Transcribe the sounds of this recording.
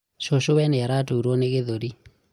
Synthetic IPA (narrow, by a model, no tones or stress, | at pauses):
ʃoʃowɛnɛaɾatoɾwɔnekeðoɾi